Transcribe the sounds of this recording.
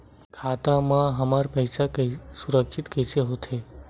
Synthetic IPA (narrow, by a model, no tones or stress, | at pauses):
kʰat̪amãɦəmaɾpəjsakəsuɾəkʃit̪kəjt͡ʃʰeɦot̪ʰe